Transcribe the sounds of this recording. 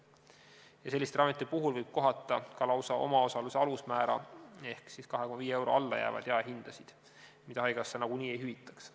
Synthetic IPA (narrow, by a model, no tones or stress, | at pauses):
jɑse̞lʲːist̪rɑmet̪ːˑipuɦulvɤjb̥̚ko̞ɦɑt̪ˑːɑkɑlɑwsɑʔo̞̰mɑo̞sɑluseɑlusmæːɾɑ̰e̞hksiskɑɦekomːɑviːee̞wɾo̞̰ɑlːɑ̰jæ̰ːvɑ̰d̪̥jɑɑɦind̪̥ɑsid̪̥ | mit̪ɑɦɑjɡ̥ɑsːenɑɡ̥unʲiːe̞jɦyvit̪ːˑɑ̥ks